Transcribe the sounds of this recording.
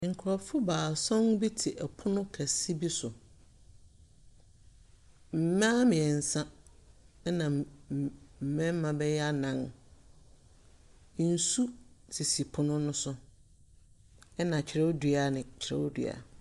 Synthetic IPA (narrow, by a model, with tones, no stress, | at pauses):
ŋ̩˨kʰʊ˨ɾɔ˨fʊ˦baː˨sɔ̃˦n˦bi˦tʰɪ˨ʔɛ˨pʰʊ˦nʊ̃˦kʰæ˨si˦bi˦sʊ˨ | m̩˨mã˦mɪ̃˨ɛ˨n̩˨sã˦ | nã˨ | m̩˨mɛ̃˦m˦mã˨bɛ˦jɛ˦a˦nã˨ŋ˦ | n̩˨su˦si˨si˨pʰʊ˦nʊ̃˦nʊ̃˦sʊ˦ | ɛ˦nã˨t͡ɕʰɪ˨ɾɛ˦dɥa˨nɪ̃˨t͡ɕʰɪ˨ɾɛ̰˦wdɥ̰a̰˨